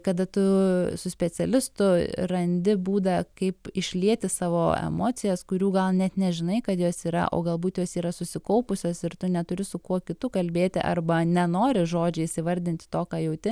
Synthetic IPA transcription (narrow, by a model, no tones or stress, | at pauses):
kɐd̪ɐt̪ʊsʊsʲpʲɛt͡s̪ʲɛlʲɪst̪ʊrɐnʲd̪ʲɪbuːd̪ɐkɐɪpɪʃʲlʲiɛt̪ʲɪsɑːʋoːɛ̰moːt͡s̪ʲɪjɛskʊɾʲuːɡɐlˠnʲɛt̪nʲɛʒʲɪnɐɪkɐt̪joːsiːɾɐ̰ʔo̰ːɡɐlˠbuːt̪joːsiːɾɐsʊsʲɪkɐʊpʊsʲoːsɪɾt̪ʊnʲɛt̪ʊɾʲɪsʊkuɔkʲɪt̪ʊkɐlʲbʲeːt̪ʲɪʔɐ̰rbɐnʲɛnoːɾʲɪʒoːd͡ʒʲɛɪsʲɪʋɐɾʲd̪ʲɪnʲt̪ʲɪ̥t̪oːkɑːjɛʊt̪ʲɪ